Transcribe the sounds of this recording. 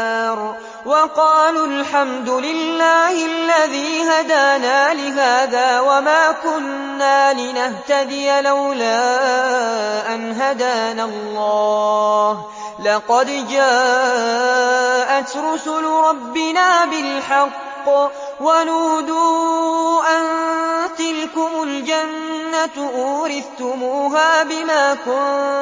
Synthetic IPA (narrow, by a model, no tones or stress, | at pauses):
ɾ | wɑqɑːlalħamd̪ʊlɪlːaːhɪalːaðiːɦad̪aːnaːlɪɦaːðaːwamaːkʊnː | aːlɪnaht̪ad̪ɪjalawlaː | ʔanɦad̪aːnalˤːɑːh | lɑqɑd̪d͡ʒaːʔ | ʔat̪ɾʊsʊlɾˤɑbːɪnaːbɪlħɑqː | wanʊhd̪uːʔant̪ɪlkʊmʊld͡ʒanːat̪ʔuːɾɪθt̪ʊmuːɦaːbɪmaːkʊn